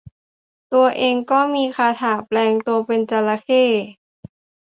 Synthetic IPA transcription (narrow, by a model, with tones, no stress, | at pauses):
t̪u˧ɐʔeː˧ŋkɔː˥˩miː˧kʰaː˧t̪ʰaː˨˩plɛː˧ŋt̪u˧ɐpe˧nt͡ɕa˧la˧kʰeː˥˩